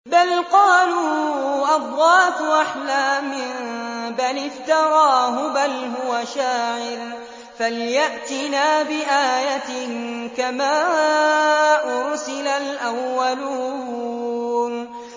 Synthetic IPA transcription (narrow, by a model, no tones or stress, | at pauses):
balqɑːluːʔɑdˤɾɑːt̪ʔaħlaːmɪnbalɪft̪ɑɾˤɑːɦʊbalɦʊwaʃaːʕɪɾ | falɪjaʔt̪ɪnaːbɪʔaːjat̪ɪnkamaː | ʔʊɾsɪlalʔawːaluː | n